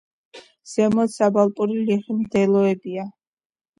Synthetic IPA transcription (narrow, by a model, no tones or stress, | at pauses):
z̥ɛmɔt̪sabalˠpʼuɾiliχimd̪ɛlˠɔɛbia